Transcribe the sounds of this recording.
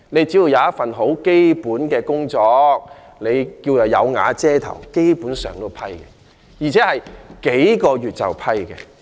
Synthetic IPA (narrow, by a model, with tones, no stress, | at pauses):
ne˨˧jt͡si˨˥wuː˨˧˩jɐ˨˧wjɐ˥t̚fɐ˨nɦo˨˥wke˥jpuː˨˥nkɛː˧kʊ˥ŋt͡sɔː˧k̚ | ne˨˧jkiː˧wjɐ˨˩wjɐ̰˨˧wŋa̰ː˨˧t͡sɛː˥t̪ʰɐ̰˨˩wke˥jpuː˨˥nsœ̰ː˨˩ŋt̪o˥wpʰɐ˥jkɛ̰ː˧ | jiː˨˩t͡sʰɛː˨˥hɐ˨jke˨˥jkɔː˧ɥyː˨t̚t͡sɐ̰˨wpʰɐ˥jkɛ̰ː˧